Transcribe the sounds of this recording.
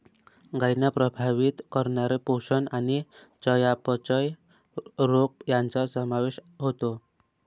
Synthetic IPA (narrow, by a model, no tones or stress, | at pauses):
ɡajnapɾəbʱaʋit̪kəɾnaɾeposənanit͡səjapət͡ɕəj | ɾokjant͡sɔsəmaʋeɕɦot̪o